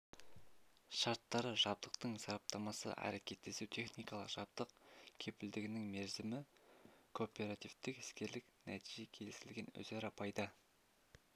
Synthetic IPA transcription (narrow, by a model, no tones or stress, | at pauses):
ʃɑɾt̪ːɑɾəʒɑb̚d̪əqt̪əɴsɑɾɑp̚t̪ɑmɑsə̰ʔæ̰ɾe̞kʲe̞t̪ːe̞suwt̪ʰe̞χnijkɑlˠəqʒ̥ɑb̚d̪əqkʲʰe̞pɪld̪ɪɡʲɪnɪŋme̞ɾzɪmɪkʰopʲe̞ɾat̪ivt̪ɪkɪ̥skʲe̞ɾlɪknæt̪ʰiʒe̞kʲʰe̞lɪsɪlɡʲe̞nɵ̰zeɾɑpɑjd̪ə